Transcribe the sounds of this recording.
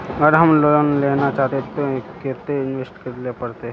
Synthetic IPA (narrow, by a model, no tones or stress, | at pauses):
ɡəɾɦɐmloonlenat͡ʃaɦt̪et̪oket̪eɪnʋesʈkɐɾlepɐɽt̪e